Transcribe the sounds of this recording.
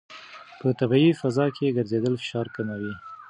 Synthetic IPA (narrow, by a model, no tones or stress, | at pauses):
pət̪abaifazɑkʰeɡəɾzed̪əlfɪ̥ʃɑɾkamawi